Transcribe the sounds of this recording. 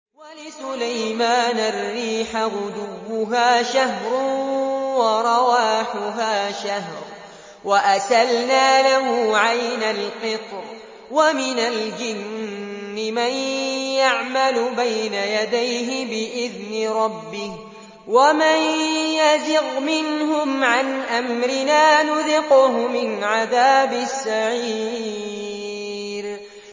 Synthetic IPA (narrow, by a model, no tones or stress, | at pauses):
walɪsʊlajmaːnarːiːħaɾʊd̪uwːʊɦaːʃaɦɾʊ | wɑɾˤɑwaːħʊɦaːʃahɾˤ | waʔasalnaːlaɦuːʕajnalqɨt̪ˤɾ | wamɪnald͡ʒɪnː | ɪmanjaʕmalʊbajnajad̪ajɦɪbɪʔɪðnɪɾˤɑbːɪh | wamanjazɪɣmɪnɦʊmʕanʔamɾɪnaːnʊðɪqʊhʊmɪnʕaðaːbɪsːaʕiː | ɾ